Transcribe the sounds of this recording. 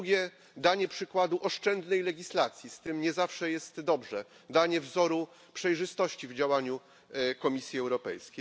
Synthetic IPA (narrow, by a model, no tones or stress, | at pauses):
ɡʲɛ | d̪aɲɛpʂɘkwad̪uʔɔʂt͡ʂɛnd̪nɛjlɛɡʲislat̪sʲjist̪ɘmɲɛzafʂɛjɛst̪d̪ɔbʐɛ | d̪aɲɛvzɔɾu | pʂɛjʐɘst̪ɔɕt͡ɕivd͡ʑawaɲu | kɔmʲisʲjiɛwɾɔpɛ̰jskʲej